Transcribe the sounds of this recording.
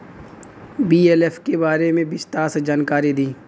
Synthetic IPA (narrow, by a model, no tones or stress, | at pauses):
biːeːleːfʰkebaːɾemẽbɪst̪aːsd͡ʒaːnkaːɾid̪iː